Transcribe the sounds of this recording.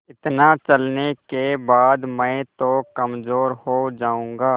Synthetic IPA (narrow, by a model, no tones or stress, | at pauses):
ɪt̪nat͡ʃɐlnekebaːd̪mɛ̃t̪okɐmzoːɾhoːd͡ʒaːũːŋɡaː